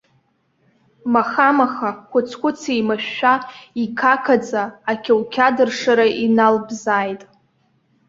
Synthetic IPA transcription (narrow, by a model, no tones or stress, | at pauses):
maχamaχakʷʰʊt͡sʰkʷʊt͡sʰimaʃːᶣaikʰakʰad͡zaːkʲʰewkʲʰadɨrʂaɾaʔinalbzaːjtʼ